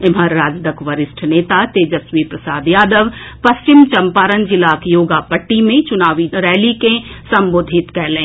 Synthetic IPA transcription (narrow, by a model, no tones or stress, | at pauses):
ɪmɦəɾːaːd͡ʒd̪əkʋɐɾɪsʈʰneːt̪at̪eːd͡ʒəsʋipɾɐsaːd̪jaːd̪əʋpɐst͡ʃɪmt͡ʃɐmpaːɾənd͡ʒɪlaːkjoːɡapɐʈːimẽt͡ʃʊnaːʋiɾɛːlikẽsɐmboːd̪ʱɪt̪kɛːlẽː